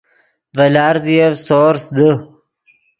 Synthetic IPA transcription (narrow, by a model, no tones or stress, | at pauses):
vɐlaːɾzijevsoːɾsd̪ə